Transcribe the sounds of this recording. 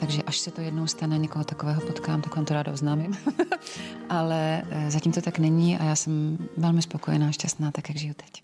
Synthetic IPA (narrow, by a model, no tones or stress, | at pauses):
t̪aɡʒɛʔaʃsɛt̪ojɛdnowst̪anɛɲɛkoɦot̪akovɛːɦopot̪kaːmt̪akvaːmt̪oɾaːdaoznaːmɪm | ʔalɛzaciːmt̪ot̪aknɛɲiːʔajaːsɛmvɛlmɪspo̞kojɛnaːʃcast̪naːt̪akjaɡʒɪjut̪ɛ̥c